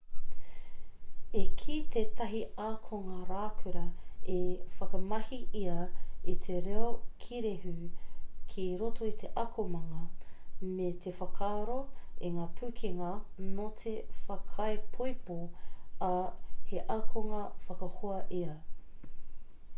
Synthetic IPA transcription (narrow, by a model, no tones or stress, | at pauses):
ekʰit̪ʰeːt̪ɐɦiakʰoŋɐɾaːkʰʉɾɐefɐkɐmɐhiʔiɐit̪ʰeɾeokʰiɾehʉkʰiɾotʰoit̪ʰeʔɐkʰomɐŋɐmet̪ʰefɐkʰaːɾoiŋaːpʰʉkʰiŋɐnot̪ʰefɐkʰɐjpʰojpoɐheʔɐkʰoŋɐfɐkɐhoɐʔeɐ